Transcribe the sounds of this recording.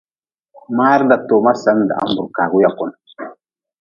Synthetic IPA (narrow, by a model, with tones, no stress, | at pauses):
ma˦ɾda˨to˨ma˦sa˦nda̰˨a̰˦mbu˨ɾka˨ɡu˦ja˨kɔ˨n